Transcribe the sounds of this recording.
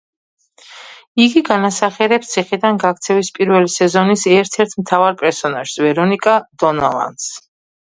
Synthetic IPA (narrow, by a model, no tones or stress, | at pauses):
iɡiɡanasaχɛɾɛpst̪sʰiχid̪anɡakt̪sʰɛvispʼiɾvɛlisɛzɔnisɛɾt̪ʰɛɾt̪ʰmt̪ʰavaɾpʼɛɾsɔnaʒ̥svɛɾɔnikʼad̪ɔna̰lˠa̰nd̪s